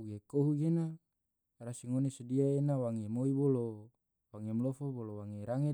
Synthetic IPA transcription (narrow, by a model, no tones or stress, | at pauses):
ɡekoɦuɡena | rasiŋonesodiaenawaŋemoibolo | waŋemlofobolowaŋeɾaŋe